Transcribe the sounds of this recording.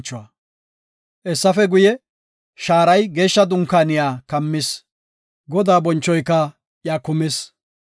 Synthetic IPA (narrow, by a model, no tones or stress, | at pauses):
t͡ʃːʊɐ | ʔɛsːɐfɛɡʊjɛ | ʃaːɾɐjɡe̞ːʃːɐd̪ʊŋkaːnɪjaːkɐmːɪs | ɡɔd̪aːbɔnt͡ʃːɔjkːɐ | jaːkʊmɪs